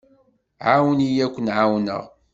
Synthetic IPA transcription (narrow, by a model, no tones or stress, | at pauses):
ʕawənijækʷːənʕawnə̰ʁ